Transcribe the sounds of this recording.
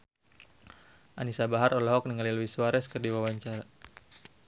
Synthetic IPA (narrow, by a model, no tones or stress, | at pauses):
ʔanisabaɦaɾɔlɔɦɔk̚niŋaliluwisuaɾɛskərdiwawaɲt͡ʃaɾa